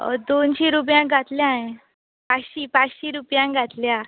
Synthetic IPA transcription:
d̪onɕiɾup̬jãɡʱat̪ljãẽ | pat͡sɕiːpat͡sɕiːɾupjãɡʱat̪lja

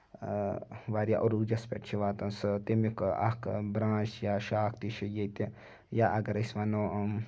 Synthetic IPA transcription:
ʋaːɾʲja̰ʔoɾud͡ʒɐspʲḛʈt͡ʃʰiʋaːt̪ɐnsɨt̪imikɐ̰kbɾãːt͡ʃjaːʃaːkʰt̪iʃɐjet̪i | jaʔɐɡɐɾɐsʲʋano

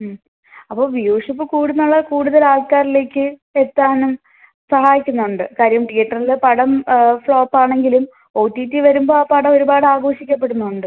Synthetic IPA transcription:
ɐpːo̞ːʋijoːʂupːɨkuːɽunːuɭːɐkuːɽuðɐlaːlkaːɾile̞ːkʲːɨe̞t̪ːaːnum | sɐɦaːjikʲːunːɐuɳɖɨkaːɾjɐmʈijɐʈːɐrilepɐɽɐmfɭo̞ːpːaːɳe̞ŋɡilum | o̞ːtːiːtːiʋɐɾumbo̞ːapɐɽɐoɾubaːɽɨaːɡo̞ːɕikʲːɐpːe̞ɽunːɐuɳɖɨ

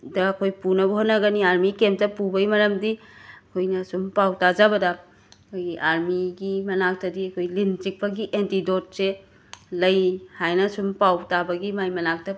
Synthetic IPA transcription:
dɐːkʰojpunɐbɐɦotnːɐɡɐniaɾmikemtɐpubɐjmɐɾɐmdiɐkʰojnɐsumpawtad͡ʒabɐdɐ | kʰojɡiʔaɾmiɡimɐnak̚tɐdiɐkʰojlinzik̚pɐɡiʔentidot̚se | lɐjhajnɐsumpawtabɐɡimajmɐnak̚tɐ

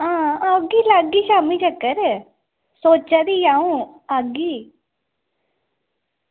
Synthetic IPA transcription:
ãaɡilaɡiʃaːmid͡ʒɐkːəɾ | soːt͡ʃad̪ijaũ | aɡi

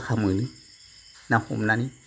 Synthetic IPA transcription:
xamɨni | nãhṵmnani

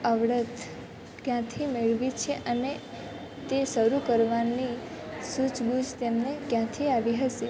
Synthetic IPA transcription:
əʋɽət̪ | kjãt̪ʰimeɭʋit͡ʃʰeʔəne | t̪esəɾukəɾʋanisut͡ʃɡud͡ʒt̪emnekjãt̪ʰiaʋiɦəʃe

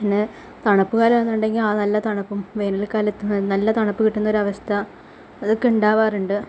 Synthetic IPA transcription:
inːɨ | t̪ɐɳɐpːukaːlɐmɐnːuɳɖe̞ŋɡilaːnɐlːɐt̪ɐɳɐpːumʋe̞ːnɐlkaːlɐt̪ːɨnɐlːɐt̪ɐɳɐpːɨkiʈːunːɐo̞ɾuɐʋɐst̪ʰɐː | ðɨkːiɳɖaːʋaːruɳɖɨ

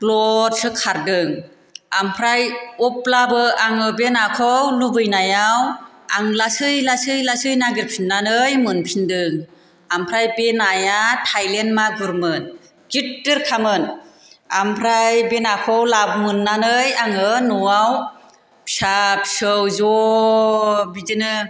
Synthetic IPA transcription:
klɔɾsɯkʰaɾdɯŋ | ampʰɾajɔp̚labɯaŋɯbenakʰɔwlubɯjnajaw | aŋlasɯjlasɯjlasɯjnaɡiɾpʰinːanɯjmɯnpʰindɯŋ | ampʰɾajbenajatʰajlenmaɡuɾmɯn | ɡitdɯɾkʰamɯn | ampʰɾajbenakʰɔwlabmɯnːanɯjaŋɯnɔaw | pʰsapsɯwzɔ | bidɯnɯ

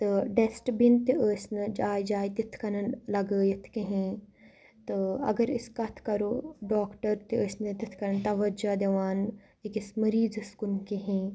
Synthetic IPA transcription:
t̪ɨɖesʈbint̪iəːsnɨd͡ʒaːjd͡ʒaːjt̪it̪ʰkɐnɐnlɐɡəːjɐt̪ʰkiɦĩː | t̪ɨɐ̰ɡɐɾiskɐt̪ʰkɐɾoːɖoːkʈɐɾt̪iəːsnɨt̪it̪ʰkɐɾɐnt̪ɐʋɐd͡ʒad̪eʋaːn | ikismɐɾiːzɨskunkiɦĩː

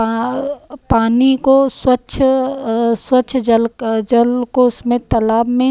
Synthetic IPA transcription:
paːnikoswətːʃʰ | swətːʃʰd͡ʒəld͡ʒəlkosmet̪ɐlaːbmẽ

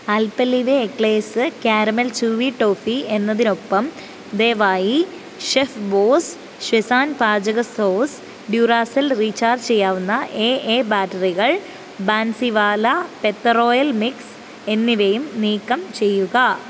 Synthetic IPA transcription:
ɐlpɐlːiʋeːkleːsɨkjaːɾɐmɐlt͡ɕuːʋiʈo̞ːfie̞nːɐðino̞pːɐm | d̪e̞ːʋaːji | ɕefboːs | ɕʋɐsaːnpaːd͡ʑɐɣɐso̞ːs | ɖjuːraːsɐlriːt͡ɕaːrd͡ʑt͡ɕe̞jːaːʋunːɐʔeːʔeːbaːʈɐriɣɐɭ | baːnsiʋaːlɐpe̞t̪ːɐro̞ːjɐlmiks | e̞nːiʋejumniːkːɐmt͡ɕe̞jːuɣɐ

